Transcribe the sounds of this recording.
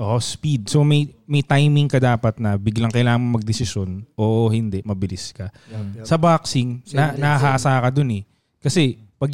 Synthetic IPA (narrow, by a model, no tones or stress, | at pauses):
ʔoʔospid̪̚so̞mɐjmɐjt̪ajmɪŋkɐd̪aːpɐt̪̚nɐbɪɡlɐŋkɐjlaːɐŋmɐŋmɐɡ̚d̪ɪsɪʃo̞nʔoːʔohɪnd̪ɛʔmɐbɪlɪskɐ | sɐbaksɪŋnɐnɐaɦaʔɐsaːɐkɐd̪onɛ | kɐsɛpɐɡ̚